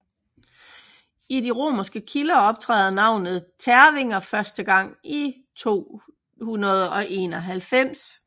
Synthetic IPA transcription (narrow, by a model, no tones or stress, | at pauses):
idiʁo̝̰ːmɐsɡ̥əkʰilɐɒ̽b̥̚t͡sʰʁɛ̰ːð̩ˠnɑ̈ʊ̰nð̞̩ˠt͡sʰæɐʋe̝ŋ̰ɐfɶɐsd̥əɡ̥ɑ̈ŋ̰i | t͡sʰo̝̰ː | hunɐð̞ˠɒ̽ʔe̝ːnɒ̽ɦælfem̰s